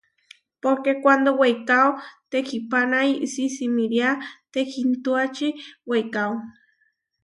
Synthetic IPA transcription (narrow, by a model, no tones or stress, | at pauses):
poɾkekʷand̪owejkawt̪ekʰipanajʔsisimiɾiat̪ekʰint̪uat͡ʃiwejkaw